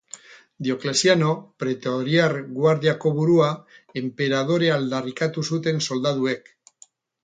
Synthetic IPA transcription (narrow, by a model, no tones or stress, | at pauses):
d̪jo̞klesjano̞pɾet̪oɾjaɾɣwaɾðiako̞βuɾuaempe̞ɾað̞o̞ɾe̞ald̪arikat̪usut̪e̞nso̞ld̪að̞uek